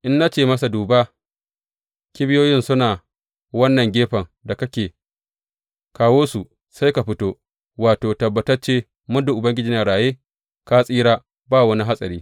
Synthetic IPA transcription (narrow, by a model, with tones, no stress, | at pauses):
ʔɪ˦nːa˦t͡ʃeː˦˨mɐ˦sa˨duː˨ba˦ | kʲɪ˦bɪ˦joː˦jɪ˦nsʊ˦naː˨ | wɐ˦nːɐ˨ŋɡʲeː˦ɸɐ˨ŋda˨kɐ˦kʲeː˨ | kaː˨woː˦su˨ | sa˦jka˨ɸɪ˦toː˦ | waː˨toː˨tɐ˨bːɐ˨tɐ˦rt͡ʃeː˦ | mʊ˦ndʊ˨ʔʊ˨bɐ˦ŋɡʲɪ˦d͡ʒiː˨na˨ɽaː˨jeː˦ | ka˦sʼiː˦ɾaː˦ | baː˦˨wɐ˦ni˦ɦa˦sʼɐ̰˨ɾiː˦